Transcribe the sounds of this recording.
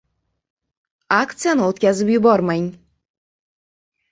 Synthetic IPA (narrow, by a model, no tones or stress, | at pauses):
akt̪sɨjanɨot̪kʲazɪpjʊbɒɾmanʲ